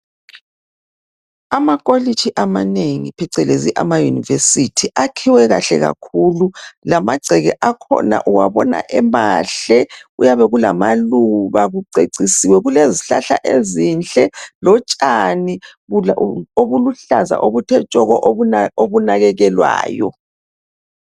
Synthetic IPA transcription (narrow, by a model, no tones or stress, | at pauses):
amakʼolit͡ʃʰiʔamaneŋipʰɛǀɛleziʔamajunivesitʰiʔakʰiwɛɣa̰ɬɛ̰ɣa̰kʰululamaɡ͡ǀʱɛɣɛ̰ʔakʰɔ̰na̰ʔuwaβɔna̰ʔɛmaɬɛujaβɛɣulamaluβaɣuǀʱeǀisiwɛɣuleziɬa̰ɬa̰ʔezint͡ɬʼɛlɔt͡ʃʼani | oβuluɬaza̰ʔoβutʰɛt͡ʃʼɔɣɔʔoβunaɣɛɣɛlwa̰ːjɔ̰